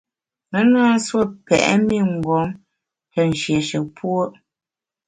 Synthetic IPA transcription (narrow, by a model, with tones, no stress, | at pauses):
nə˦ŋaː˦swo˦pɛ̰˨ʔɛ̰˦mi˦˨ŋ̩˨ɡɔ˨˦m | tə˨n̩˨ʃje˨ʃə˨pʰwo˦ʔ